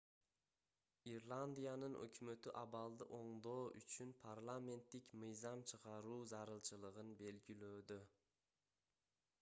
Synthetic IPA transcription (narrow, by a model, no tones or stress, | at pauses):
iɾlˠand̪ijanɨnʔɵ̰kʲʰymøt̪ɪʔɑbɑlˠd̪ɪʔoɴd̪oːyt͡ʃʰynpʰaɾlˠame̞nt̪ːɪkʲmɨjzɑmt͡ʃʰɨʁɑɾuːzɑɾɨlˠt͡ʃʰɨlˠɨʁɨnbelɡʲilød̪ɪ